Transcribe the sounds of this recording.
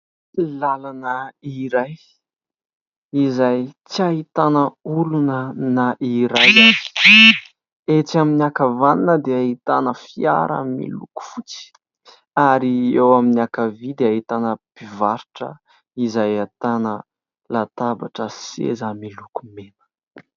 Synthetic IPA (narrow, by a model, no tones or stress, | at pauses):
lalanəiɾaj | izajt͡siaɦit̪anəulunənaʔiɾajzazi̥ | et͡saminiakavaninəd̪eaɦit̪anəfia̰ɾa̰mmḭluku̥fut͡si̥ | aɾiewaminiakavid̪eaɦit̪anəb̥ivaɾiʈ͡ʂə̰ | izajat̪anə | lat̪aba̰ʈ͡ʂəsḛzamilukumenə̥